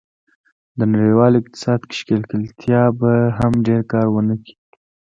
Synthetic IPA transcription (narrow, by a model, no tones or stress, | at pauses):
d̪ənaɽiwɑlɪq̚t̪ɪ̥sɑd̪kɪ̥ʃkelkɪlt̪ʰjɑbaɦamɖeɾkɑɾwənəki̥